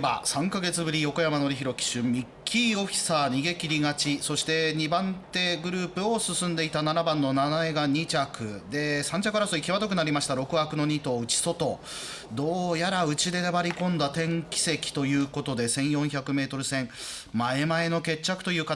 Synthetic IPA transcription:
basãŋkaɡe̞t͡sɨbɯ̟ɾʲijo̞ko̞jamano̞ɾʲiçiɾo̞kʲi̥ɕɨmʲikʲʰːio̞ɸʲi̥saːɲ̟iɡe̞kʲiɾʲiɡat͡ɕiso̞ɕi̥t̪e̞ɲ̟ibãnt̪e̞ɡɯ̟ɾɯ̟ːpɯ̟o̞sɨsɨ̃nd̪e̞it̪ananabãnːo̞nanaeɡaɲ̟it͡ɕakɯ̟d̪e̞sãɲ̟d͡ʑakɯɾasoikʲiβat̪ok̬ɯ̟naɾʲimaɕi̥t̪aɾo̞kɯ̟akɯ̟no̞ɲ̟it̪o̞ːɯ̟t͡ɕi̥so̞t̪o̞ | d̪o̞ːjaɾaɯ̟t͡ɕid̪e̞nebaɾʲikõ̞nd̪at̪ẽ̞ŋkʲi̥se̞kʲi̥t̪o̞jɯ̟ːko̞t̪o̞d̪e̞sẽ̞ɰ̃jõ̞ɰ̃çʲakɯ̟me̞ːt̪o̞ɾɯ̟sẽ̞ŋ | mae̞mae̞no̞ke̞t͡ɕːakɯ̟̥t̪o̞jɯ̟ːka

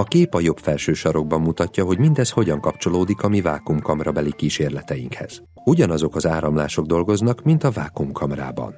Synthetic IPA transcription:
ɒkeːpɒjo̞bfɛlʃøːʃɒɾo̞ɡ̚bɒmːut̪ɒcːɒɦo̞ɟmind̪ɛsho̞ɟɒŋkɒpt͡ʃo̞loːd̪ikɒmiva̰ːkumkɒmrɒbɛlikiːʃeːrlɛt̪ɛjiŋkhɛ̰z̥ | uɟɒnɒzo̞kɒzaːɾɒmla̰ːʃo̞ɡd̪o̞lɡo̞znɒkmint̪ɒvaːkumkʰɒmra̰ːbɒ̰n

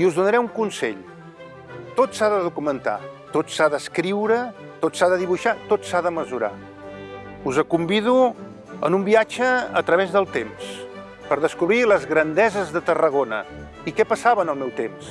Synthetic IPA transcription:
iuzðunəɾɛuŋkunsɛ̰ʎ | t̪otsaðəðukumənt̪a̰t̪otsaðəskɾiwɾə | t̪otsaðəðiβuʃat̪otsaðəməzuɾa̰ | uzəkumbiðu | ə̰numbiad͡ʒəə̰t̪ɾəβezðəlˠt̪ems | pəɾðəskuβɾiləzɣɾənd̪ɛzəzðət̪ərəɣ̞onə̰ | ikɛpəsaβənəlˠmɛwt̪ems

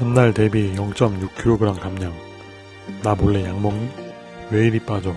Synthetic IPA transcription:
ʌnːaɭt̪e̞bijʌŋt͡ɕ͈ʌmɲukʰiɾoɡɯɾamkamɲaŋ | naboɭːejaŋmʌŋi | weiɾip͈ad͡ʑʌ

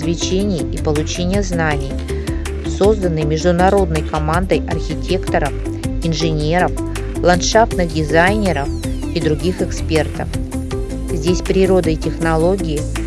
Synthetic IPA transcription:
zvʲɪt͡ɕenʲɪjipəlˠʊt͡ɕenʲɪjəznanʲɪj | so̞zd̪ənːɨjmʲɪʐd̪ʊnɐɾo̞d̪nəjkɐmand̪əjɐrxʲɪtʲe̞kt̪əɾəf | ɪnʐɨnʲe̞ɾəf | lˠɐnt̪ʂaft̪nɨxdʲɪzajnʲɪɾəf | id̪ɾʊɡʲixɨkspʲe̞rt̪əf | zʲdʲesʲpɾʲɪɾo̞d̪ətʲɪxnɐlˠo̞ɡʲɪɪ

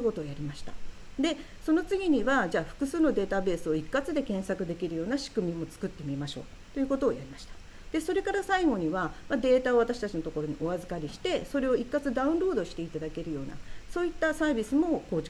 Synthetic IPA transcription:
ko̞t̪o̞ːjaɾʲimaɕi̥t̪a̰ | d̪e̞ | so̞no̞t͡sɨɡʲiɲ̟iβad͡ʑaːɸɯ̥kɯ̟sɨːno̞d̪e̞ːt̪abe̞ːsɨo̞ikːat͡sɨd̪e̞kẽ̞ɰ̃sakɯ̟d̪e̞kʲiɾɯ̟jo̞ːnaɕi̥kɯ̟mʲimo̞t͡sɨ̥kɯ̟t̪ːe̞mʲimaɕo̞ː | t̪o̞jɯ̟ko̞t̪o̞ːjaɾʲimaɕi̥t̪ḁ | d̪̥e̞so̞ɾe̞kaɾasaiɡo̞ɲ̟iβamad̪e̞ːt̪ao̞β̞at̪aɕi̥t̪at͡ɕino̞t̪o̞ko̞ɾo̞ɲ̟iʔo̞azɨkaɾʲiɕi̥t̪e̞so̞ɾe̞o̞ikːat͡sɨd̪aɯ̟̃nɾo̞ːd̪o̞ɕi̥t̪e̞it̪ad̪ake̞ɾɯ̟jo̞ːna̰so̞ːit̪ːasaːbʲisɨmo̞ko̞ːt͡ɕ

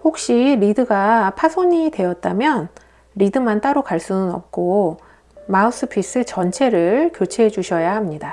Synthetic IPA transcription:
hok̚ɕ͈iɾidɯɡapʰasʰoɲide̞ʌt̚t͈amjʌn | ɾidɯmant͈aɾokaɭs͈unɯnʌ̰p̚k͈o | maus͈ʰɯpʰis͈ɯt͡ɕʌnt͡ɕʰe̞ɾɯɭkjot͡ɕʰeɦed͡ʑuɕʰʌjahamɲida

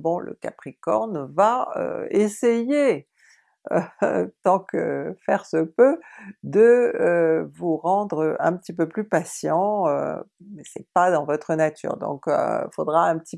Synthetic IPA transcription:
bɔ̃lʔə̰kapχikɔ̰ʁnvaø̰eseje | ø̰t̪ɑ̃kə̰fɛʁsəpød̪ə | vuʁɑ̃d̪ʁəɛ̰̃pət̪ipøplypasjɑ̃ø̰mɛsɛpad̪ɑ̃vɔt̪χənat̪ʰy̰ːʁd̪ɔ̰̃kø̰ifod̪ʁaɛ̃pət̪i

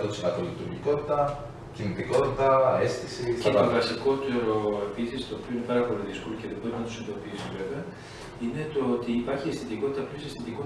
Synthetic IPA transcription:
ot̪isinɐt̪olit̪uɾʝiko̞t̪i̥t̪ɐ | cinit̪iko̞t̪it̪ɐest̪isiset̪ovɐsiko̞t̪e̞ɾo̞e̞pisist̪oːpioine̞pɐɾɐpo̞loðisko̞loceðopenɐnt̪usend̪opiusive̞veɐ | ine̞t̪ooːt̪iːpɐɾçiesθit̪iko̞t̪it̪ɐplosiesθit̪iko

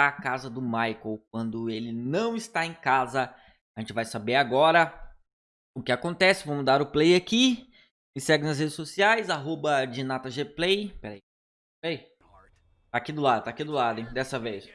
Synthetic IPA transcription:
akazɐd̪ʊmajkowk̚wɐ̃nd̪ʊelɪnɐ̃w̃ɪst̪aẽkazɐ | ʒẽt͡ʃɪvajsabeɾaɡɔɾɐ | ʊkɪakõnt̪ɛsɪvɐ̃mʊzd̪aɾʊplejaki | ɪsɛɡɪnɐs̬hed͡ʒɪsosiajzaɦobɐd͡ʒinat̪ɐʒeplejpɛɾɐi | ɛɾai | t̪akid̪ʊlad̪ʊt̪aːkid̪ʊlad̪ʊẽj̃d̪ɛsɐvejs

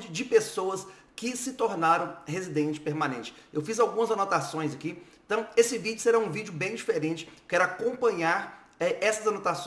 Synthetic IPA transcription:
t͡ʃɪd͡ʒɪpesoɐs | kɪsɪt̪oɾnaɾɐ̃w̃hezid̪ẽnt͡ʃɪ̥peɾmɐ̃nẽnt͡ʃɪ̥ewfizawɡũmɐzanɔt̪asõj̃zɐkiẽnt̪ɐ̃w̃esɪvid͡ʒʊseɾaũvid͡ʒʊbẽj̃d͡ʒifeɾẽnt͡ʃɪ̥ewkɛɾʊakõmpɐ̃ɲaɾ | ɛʔɛsɐzanɔt̪as

